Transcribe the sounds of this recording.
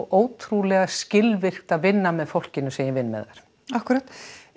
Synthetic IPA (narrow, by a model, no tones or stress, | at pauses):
wʔoːwt̪ʰɾulɛɣascɪlvɪr̥t̪aðvɪnːamɛðfowl̥cɪnʏseːjɪvɪnːmɛ̰ða̰ɾ̥ | ahkʏɾaːt̪